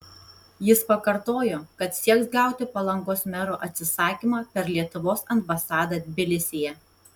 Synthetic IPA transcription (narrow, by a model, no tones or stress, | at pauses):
jɪspɐkɐɾt̪oːjoːkɐt̪sʲiɛksɡɑˑʊt̪ʲɪpɐlˠɐŋɡoːsmʲɛɾoːʔɐt̪ʲsʲɪsɑːkʲimɑːpʲɛɾlʲiɛt̪ʊʋoːsɐnbɐsɑːd̪ɐd̪ʲbʲɪlʲɪsʲɪjɛ